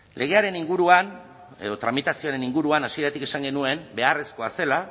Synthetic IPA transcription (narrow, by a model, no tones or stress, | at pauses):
lʔe̞ɣ̞e̞aɾe̞niŋɡuɾuan | e̞̰ðo̞t̪ɾamit̪asio̞aɾe̞niŋɡuɾuanasie̞ɾat̪ike̞saŋɡe̞nue̞mbe̞are̞sko̞ase̞la